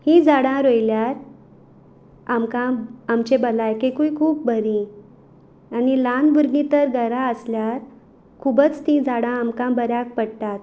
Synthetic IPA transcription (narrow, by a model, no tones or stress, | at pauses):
hĩd͡zaɽãɾojljaɾ | amkãamt͡ɕebəlajkekũjkʰuːp̚bəɾĩ | anilanbuɾɡĩt̪əɾɡʱəɾaəsljaɾ | kʰubət͡st̪ĩd͡zaɽãamkãbəɾjak̚pəɽt̪at̪